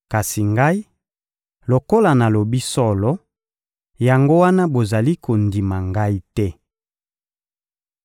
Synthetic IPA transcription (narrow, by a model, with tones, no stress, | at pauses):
ka˨si˨ŋɡa˦i˦ | lo˨ko˦la˨na˨lo˨bi˦sɔ˦lɔ˦ | ja˨ŋɡo˦wa˦na˦bo˨za˨li˦ko˨ndi˨ma˨ŋɡa˦i˦tɛ˦